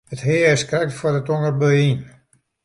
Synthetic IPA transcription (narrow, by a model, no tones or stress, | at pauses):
əthɪːəskrɛk̚tfwɔdətoŋərbøin